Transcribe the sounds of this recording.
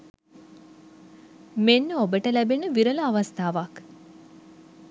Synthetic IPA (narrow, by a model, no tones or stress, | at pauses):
menːəobəʈəlæbenəʋiɾələaʋast̪aːʋak